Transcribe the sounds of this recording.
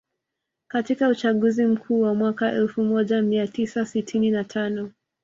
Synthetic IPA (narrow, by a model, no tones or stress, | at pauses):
katikaut͡ʃaɠuzim̩kʰuːwamwakaʔɛlfumɔʄamiatisasitʰininatʰanɔ